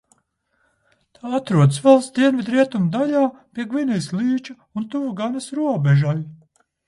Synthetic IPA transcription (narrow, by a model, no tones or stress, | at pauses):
t̪ʰaːat̪ɾuɔd̪svɛlˠsd̪iɛnvid̪ɾiɛt̪umud̪aʎʲaːpʲiɛɡvinɛjslˠiːt͡ʃu | unt̪uvuɡanasɾuɔbɛʒal